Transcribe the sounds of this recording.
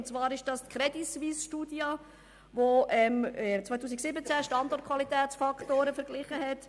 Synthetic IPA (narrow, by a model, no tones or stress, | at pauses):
nt͡svɑːɾɪʃd̥ɑstkχɾɛdisʋisʃtudjɑ | voʔɛmɛt͡sʋaɪt̪ʰuːs̬iksɪbət͡sæʃtɑndɔrt̚kʰʋɑlitɛːt͡sfɑkʰtoːɾəfəɾɡlɪχəɦɛt